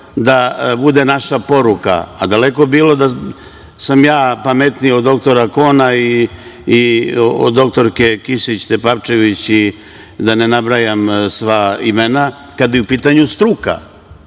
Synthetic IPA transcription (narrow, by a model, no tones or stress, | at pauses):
d̪abud̪enaʃapo̞ɾuka̰ːd̪aleko̞biːlo̞d̪a | samjaːpamet̪niod̪o̞kt̪o̞ɾako̞ːnaiː | o̰d̪ːo̞k̚t̪o̞ɾke̞kiʃit͡ɕt̪epapt͡ʃe̞ʋit͡ɕi | d̪anenabɾajamsʋaimena | kad̪jeupiːt̪aɲust̪ɾuka̰